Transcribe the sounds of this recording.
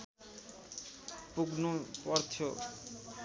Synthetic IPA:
puɡnopɔɾtʰo

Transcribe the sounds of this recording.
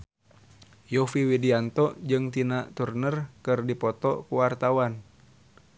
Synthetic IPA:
jɔfiwidiant̪ɔd͡ʒɨŋt̪inaʔt̪urnərkɨrdipɔt̪ɔkuwart̪awan

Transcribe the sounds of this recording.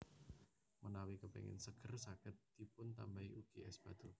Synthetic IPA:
mənawikəpɛ̰ŋɪ̰nsəɡ̥ərsakɪt̪̚d̪ipʊnt̪ambaiʔuɡ̥eʔɛsb̥ad̪̥o

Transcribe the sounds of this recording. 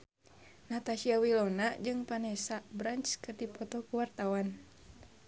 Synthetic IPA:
nat̪aʃiawilɔnad͡ʒɨŋpanɛsabɾant͡ʃkɨrdipɔt̪ɔkuwart̪awan

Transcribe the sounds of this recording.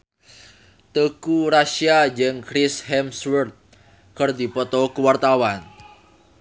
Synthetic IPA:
t̪əkuɾasiad͡ʒəŋkɾishɛmswərt̪̚ | kərdipɔt̪ɔkuwart̪awan

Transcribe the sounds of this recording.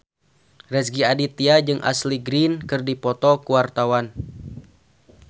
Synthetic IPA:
rɛsɡiadit̪iad͡ʒɨŋʔa̰sliɡɾinkɨrdipɔt̪ɔkuwart̪awan

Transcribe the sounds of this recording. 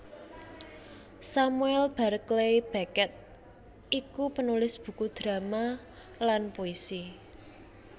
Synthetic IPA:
samuɛlb̥ä̤ɾəklejb̥akɛt̪̚ | ʔikupənulɪsb̥ṳkud̪̥ɾa̤ma | lanpoisi

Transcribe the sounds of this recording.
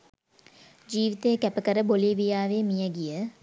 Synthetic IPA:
d͡ʒiːʋit̪əjəkæpəkəɾəboliːʋijaːʋemijəɡijə

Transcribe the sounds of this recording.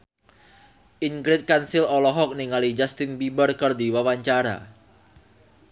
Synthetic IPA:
ʔiŋɡɾɪt̪̚kansɪlɔlɔɦɔk̚niŋalid͡ʒast̪ɪnbibərkərd̪iwawaɲt͡ʃaɾa̰

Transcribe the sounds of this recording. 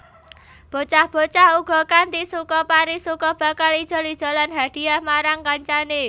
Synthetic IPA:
b̥o̤t͡ʃahb̥o̤t͡ʃahuɡ̥ɔ̤kant̪isukɔpaɾisukɔb̥ä̤kalid̥ʒ̥ɔ̤lid̥ʒ̥a̤lanɦad̥i̤ahmaɾaŋkaɲt͡ʃane

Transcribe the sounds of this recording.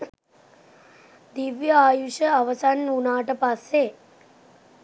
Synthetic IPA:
d̪iʋjəaːjuʃəaʋəsanunaːʈəpasːe

